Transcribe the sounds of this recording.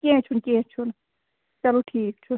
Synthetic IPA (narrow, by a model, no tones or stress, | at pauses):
kẽt͡ʃʰunket͡ʃʰun | t͡ʃɐloʈʰiːk̚t͡ʃʰu